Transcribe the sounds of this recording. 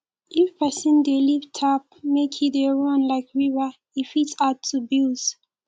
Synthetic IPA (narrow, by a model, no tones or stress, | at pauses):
ʔifpɛsə̃ndelivtʰap̚ | mekʰideɹɔ̃nlaɪkʰɹivə | ifitsatʰːubilz̥